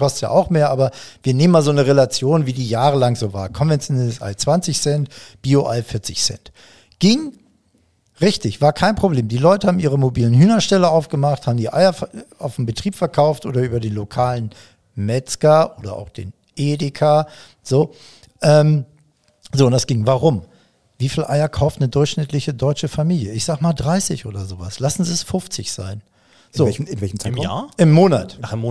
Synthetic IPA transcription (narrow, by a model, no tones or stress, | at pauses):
kʰɔstja̰ːʔaʊxmeːɐʔaːbɐviːɐneːmːaːlzoːnəʁelat͡sjoːnviːdiːjaːʁəlaŋzoːvaːɐkʰɔnvɛnt͡sjonɛləsʔa̰ɪt͡sv̥ant͡sɪçsɛntb̥iːoʔaɪfɪɐt͡sɪçsɛ̰nt | ɡ̥ɪŋ | ʁɪçtɪçv̥aːɐkʰaɪnpʁ̥obleːmdiːlɔʏtəhaːbm̩ʔiːʁ̞əmobiːlənhyːnɐʃtɛləaʊfɡ̥əmaχthaːbm̩diːʔa̰ɪɐfa̰ʊfn̩m̩bətʁ̥iːpfɛɐkʰaʊftʔo̰ːdɐʔyːbɐdeːnlokʰaːlən | mɛt͡skaʔoːdɐʔa̰ʊxd̥ḛːn | ʔeːdekʰaː | z̥oː | ʔɛːm | zoːʊntd̥asɡ̥ɪŋvaʁʊm | viːfiːlʔaɪɐkʰaʊftnədʊɐçʃnɪtʰlɪçədɔʏt͡ʃəfamiːljəɪçz̥aːɡəmaːldʁaɪsɪçʔoːdɐzoːva̰slasn̩ziɛsfʊft͡sɪçz̥a̰ɪn | zoːɛɪnvɛçm̩aaʔɪmːoːnatna